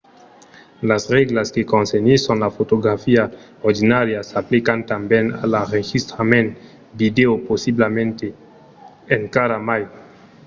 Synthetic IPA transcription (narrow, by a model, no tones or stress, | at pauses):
lasɾeɡlaskekonseɲisonlafotoɡɾafia | oɾdinaɾiasaplikantambena̰laɾeɡistɾamen | videoposiblamente | enkaɾamaj